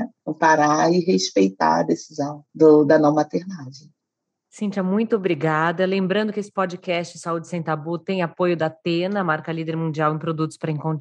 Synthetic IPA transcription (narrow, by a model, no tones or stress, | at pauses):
paɾaɪɦespejt̪a̰ɐ̰d̪esizɐ̃w̃d̪ʊd̪ɐnɐ̃w̃mat̪eɾnad͡ʒẽ | sĩnt͡ʃɐmũj̃t̪ʊobɾiɡad̪ɐlẽmbɾɐ̃nd̪ʊkɪesɪ̥pɔd͡ʒɪkɛst͡ʃɪsaud͡ʒɪsẽj̃t̪abut̪ẽj̃apojʊd̪ɐt̪ẽnɐmaɾkɐlid̪eɾmũnd͡ʒiawẽj̃pɾod̪ut̪ʊ̥spɾɐĩkõt̪